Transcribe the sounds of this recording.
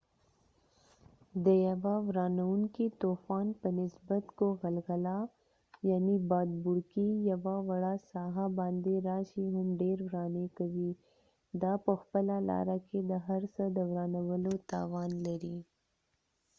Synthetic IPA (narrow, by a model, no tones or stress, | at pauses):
d̪əjɐʋawɾɑːnəwʊŋkit̪oːfɑːnpənɪsbət̪koɣɐlɣəla | jaːnibɑːd̪bʊɽkijɐʋawɐɽasɑːɦabɑ̃ːnd̪eɾaːʃiɦʊmɖeːɾwɾɑːnekəwi | d̪aːpəxpəlalɑ̰ːɾaked̪əɦɐɾsəd̪əwɾaːnəwəlot̪a̰ːwɑːnlɐɾi